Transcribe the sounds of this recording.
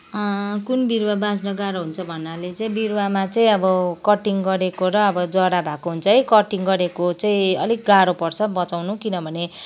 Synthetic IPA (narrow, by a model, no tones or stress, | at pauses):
kunbiɾwabad͡znʌɡaɾoɦunt͡sʰʌbʱʌnːalet͡sʌĩbirwamat͡sʌĩʌbʌkʌʈiŋɡʌɾekoɾʌːbʌd͡zʌɽabʱakoɦunt͡sʰʌijkʌʈiŋɡʌɾekot͡saĩʌ̰likɡaɾopʌrt͡sʰʌbʌt͡sawnukinʌbʱʌne